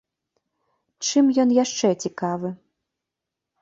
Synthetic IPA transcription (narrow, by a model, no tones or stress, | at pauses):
t͡ʂɨmjɔnjaʂt͡ʂɛt͡sʲikavɨ